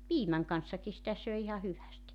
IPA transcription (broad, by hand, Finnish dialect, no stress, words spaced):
piːmæŋ kɑnsːɑki sitæ søi ihɑ hyʋæsti